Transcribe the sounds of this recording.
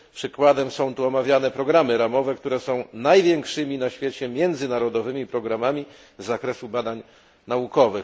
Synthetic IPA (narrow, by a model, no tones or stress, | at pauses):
pʂɘkwad̪ɛmsɔ̃w̃t̪uɔmavʲjanɛpɾɔɡɾamɘɾamɔvɛkt̪uɾɛsɔ̃w̃najvʲjɛŋkʂɘmʲinaɕfʲjet͡ɕɛmʲjɛnd̪zɘnaɾɔd̪ɔvɘmʲipɾɔɡɾamamʲi | zːakɾɛsubad̪aɲ | naukɔvɘx